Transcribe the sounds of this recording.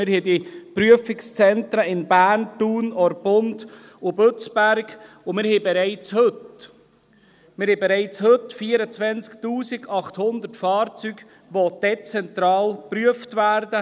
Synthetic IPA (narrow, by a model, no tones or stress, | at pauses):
mɪɾhɛdipɾyəfɪkst͡sɛntɾəɪnbæːɾntuːnɔɾbʊnd | ʊbøt͡sb̥æɾɡ | ʊmɪɾhɛbɛɾɛɪt͡shɵt | mɪɾhɛbɛɾɛɪt͡shɵtfiəɾət͡sʋɛnt͡sktuːsɪɡɑχthʊnd̪ərtfɑːɾt͡syɡ̥ | ʋɔd̥ɛt͡sɛnt̪ɾɑːlpryəftvæːɾdə